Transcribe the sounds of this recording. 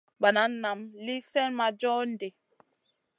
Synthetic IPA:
ba˨na˦nːa˨mli˦sɛ˦nma˨d͡ʒɔ˦n̩˦de˨

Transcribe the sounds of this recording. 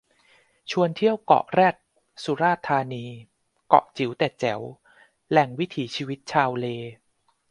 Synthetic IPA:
t͡ɕʰu˧ənt̪ʰi˥˩əwkɔ̰˨˩ʔɾɛː˥˩t̪̚ | su˨˦ɾaː˥˩t̪ʰːaː˧niː˧ | kɔ̰˨˩ʔt͡ɕi˩˦wt̪ɛː˨˩t͡ɕɛ˩˦w | lɛ˨˩ŋwi˦˥t̪ʰiː˩˦t͡ɕʰiː˧wi˦˥t̪̚t͡ɕʰaː˧wleː˧

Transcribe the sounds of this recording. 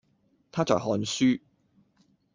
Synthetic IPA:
t̪ʰaː˥t͡sɔ̰ː˨˩jhɔː˨˧nsyː˥

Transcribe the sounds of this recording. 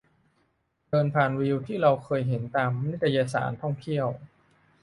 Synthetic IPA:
dɤː˧npʰaː˨˩nwi˧wt̪ʰiː˥˩ɾa˧wkʰɤː˧jɦe˩˦nt̪aː˧ma˧ni˦˥t̪ʰːa˧jaː˧sa̰ː˩˦nt̪ʰɔ˥˩ŋt̪ʰi˥˩əw

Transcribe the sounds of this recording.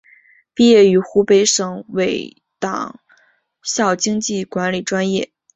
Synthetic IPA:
pi˥˧jɛ˥˩y˧˥xu˧˥pe˧˥ɪʂɤ˨˩˦ŋwe˧˥ɪ | t̪ɑ̰˨˩ŋ | ɕjɑ˥˩ʊt͡ɕi˥ŋt͡ɕi˥˩kwa˧˥nli˨˩ʈ͡ʂwa˥njɛ˥˩

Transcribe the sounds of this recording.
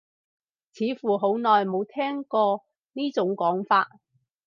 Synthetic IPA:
t͡sʰiː˨˥fuː˨ɦo˨˥wnɔː˨jmo˨˧wt̪ʰɛː˥ŋkɔː˧ | niː˥t͡sʊ˨˥ŋkɔː˨˥ŋfaː˧t̚

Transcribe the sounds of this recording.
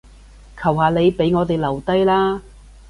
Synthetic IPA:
kʰɐ˨˩wɦaː˨le˨˧jpe˨˥jŋɔː˨˧t̪e˨jlɐ˨˩wt̪ɐ˥jlaː˥

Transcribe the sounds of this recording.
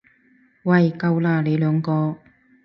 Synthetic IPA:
wɐ˨˩jkɐ˧wlaː˧le˨˧jlœː˨˥ŋkɔː˧

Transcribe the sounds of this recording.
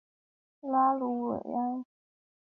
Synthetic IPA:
la˦lu˧˥wḛ˨˩ɪa˦˥˦

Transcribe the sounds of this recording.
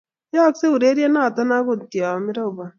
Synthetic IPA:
jɔ˦kse˦u˨ɾe˦ɾje˦na˦˨ta˦na˦ku˦˨tjɔ˨mi˦ɾa˦u˨ba˨

